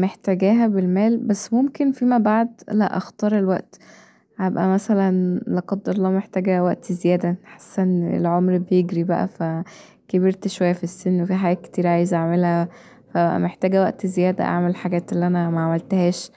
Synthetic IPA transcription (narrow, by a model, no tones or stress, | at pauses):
meħt̪æɡæːɦæbelmæːlbæsːmomkenfiːmæbaʕd̪læʔɑ̰xt̪ɑːɾˤelwæʔt̪ | hæbʔæ̰mæsælænleqɑd̪ːɑɾˤlɑːmeħt̪æːɡæwæʔt̪zejæːd̪æħḁsːænḛlʕomɾbejeɡɾibæʔæ̰fæ | kebiɾt̪ʃwæjːæfisːenːwefiħaɡæːt̪̚ke̥t̪iːɾʕaːjezʔaʕmelhæ | fææʔæ̰meħt̪æːɡæwæʔt̪zejæːd̪æ̰ʔa̰ʕmelħaɡæːt̪elːiʔænæmæʕamælt̪hæːʃ